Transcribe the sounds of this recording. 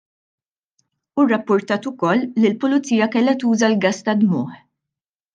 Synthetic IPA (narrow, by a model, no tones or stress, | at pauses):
urːɐpːʊɾt̪ɐːt̪ʊkɔlːilpʊlʊt͡sːiːjɐkɛlːɛt̪uːzɐlɡɐst̪ɐd̪mʊːħ